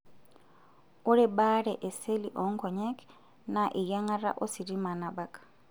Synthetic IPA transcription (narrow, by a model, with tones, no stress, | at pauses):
ʊ˦ɾɪbaɺɛʔɛ˨se˦liʔɔ˨ŋ̩˦kʰɔ˨ɲɛk | naʔɪ˨ja˦ŋa˦ɾa̰˦ʔo˦si˨di˦ma˨na˨bakʼḁ